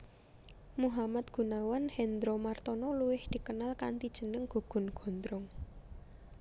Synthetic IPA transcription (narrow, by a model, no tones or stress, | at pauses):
muɦamat̪̚ɡ̥ṳnawanhɛnd̪ɾomart̪ɔnɔluwɪhd̪̥i̤kənalkant̪id̥ʒ̥ə̤nəŋɡ̥o̤ɡ̥ʊ̤nɡ̥ɔ̤nd̪ɾʊŋ